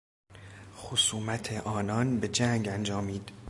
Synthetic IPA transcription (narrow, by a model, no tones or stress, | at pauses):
xosuːmæt̪ʰeʔɒːnɒnbe̞d͡ʒæŋɡænd͡ʒɒːmiːd̪̥